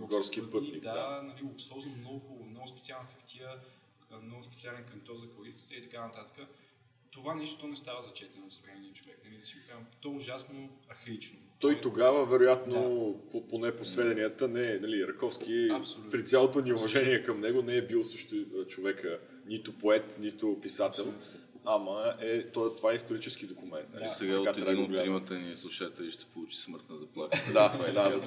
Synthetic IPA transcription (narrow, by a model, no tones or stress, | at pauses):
ɡɡɔɾskipət̪nikd̪d̪anɐliosˠɔznmnɔɡʊmnɔɡʊspɛt̪sialˠnxɐft̪ʲʰiə | mnɔɡʊspɛ̥t̪sialɛnkɐmt̪ɔzɐkoɾist̪i̥t̪əit̪ɐkanɐt̪at̪ə̥kə | t̪ovanɛʃt̪o̥t̪ɔnɛst̪avəzɐt͡ʃɛt̪ɛnot̪svɾɛniət͡ʃovɛknɐlid̪ɐsipamt̪ɔʊʒasnoɐxɾit͡ʃnot̪ɔit̪oɡavəvɛɾojat̪nopoponɛposvɛd̪ɛniət̪ənɛnɐliɾɐkɔfsk̟iɐlpɾit̪sʲjalˠot̪oniʊvɐʒɛniɛkɐmnɛɡonɛɛbilˠsɤʃt̪ʊt͡ʃovɛkə | nit̪ʊpoɛt̪nit̪ʊpisat̪ɛlˠ | aməɛt̪ɔt̪ovaɛist̪oɾit͡ʃɛsk̟id̪okʊmɛnt̪nlisɛɡatkat̪ɾaolɾimət̪ənislˠuʃat̪ɛlʲiʃt̪ɛ̥polˠut͡ʃi̥sməɾt̪nɐzɐplˠat̪d̪ad̪a